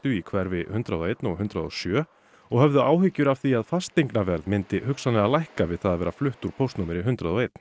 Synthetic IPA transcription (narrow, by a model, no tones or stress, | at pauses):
ʏikʰvɛɾvɪhʏnt̪ɾaðɔejt̪nɔɣɦʏnt̪ɾaðɔsjœː | ɔɣhœvðʏaːwhʏcːʏɾav̥θiaðfast̪ejŋknavɛɾðmɪnt̪ɪhʏksanɪaðlajhkavɪðθaðavɛːɾaflʏht̪uɾ̥pʰowst̪nuːmɪɾɪɦʏnt̪ɾaðɔejt̪n̥